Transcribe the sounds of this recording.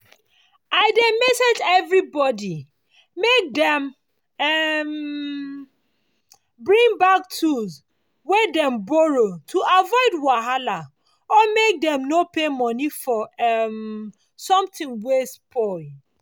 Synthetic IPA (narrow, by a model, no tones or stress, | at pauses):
aɪdemɛsed͡ʒɛvɹibɔdi | mek̚dɛ̃m | ɛm | bɹĩŋbak̚tʰuz | wɛdɛ̃mbɔɹotʰuʔavɔɪdwaɦala | ɔmek̚dɛ̃mnopemɔnifɔɛm | sɔ̃mtĩŋwespʰɔɪ